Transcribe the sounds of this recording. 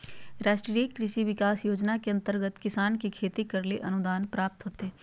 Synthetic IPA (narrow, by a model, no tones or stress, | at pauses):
ɾaːʃʈɾiːkːɾɪʃiʋɪkaːsjoːd͡ʒnakeɐ̃nt̪əɾɡət̪kɪsaːnkekʰeːt̪ikɐɾleʔɐnʊd̪aːnpɾaːp̚t̪ɦoːt̪eɦɛ̃ː